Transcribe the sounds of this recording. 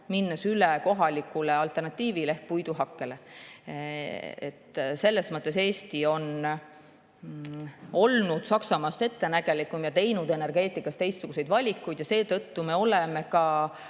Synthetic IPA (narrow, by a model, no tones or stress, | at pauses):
minːɑsyleko̞ɦɑlikːˑuleɑlt̪ˑe̞rnɑt̪ːˑiːvile̞hk̚pujd̪uɦɑkːe̞le̞ | ḛt̪ːse̞lːe̞smɤt̪ːˑe̞se̞ːst̪io̞n | o̞lnud̪̥sɑksɑmɑːst̪e̞t̪ːe̞næɡ̥e̞likːˑumjɑt̪e̞jnud̪ene̞rɡe̞ːt̪ːˑikːˑɑst̪e̞jst̪suɡuse̞jd̪vɑlʲikːˑujd̪̥jɑse̞ːt̪ɤt̪ːume̞o̞leme̞kɑ